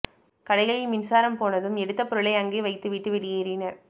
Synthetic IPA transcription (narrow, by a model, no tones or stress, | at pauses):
kɐɽɐɪɣɐɭɪlmɪnsaːɾɐmpoːnɐðɯmɛɽɯt̪ːɐpːɔɾɯɭɐɪɐŋɡeːʋɐɪt̪ːɯʋiʈːɯʋɛɽɪjeːɾɪnɐɾ